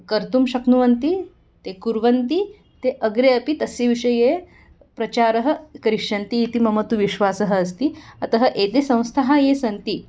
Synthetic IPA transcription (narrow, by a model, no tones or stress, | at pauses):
kəɾt̪umʃɐknuʋɐnt̪i | t̪ekuɾʋɐnt̪i | t̪eʔəɡɾeɐpit̪ɐseʋiʂɐje | pɾɐt͡ɕaɾəɦə̆kɐɾiʂɐnt̪iːt̪imɐmɐt̪uʋiʃʋasəɦəːst̪iɐt̪ɐɦəʔet̪esɐ̃w̃st̪ʰaɦajesɐnt̪i